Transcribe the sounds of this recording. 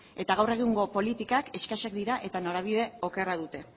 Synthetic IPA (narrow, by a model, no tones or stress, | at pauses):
e̞t̪aɣ̞awre̞ɣiŋɡo̞po̞lit̪ikake̞skaʃak̚d̪iɾaʔe̞t̪ano̞ɾaβ̞iðe̞o̞ke̞rað̞ut̪e̞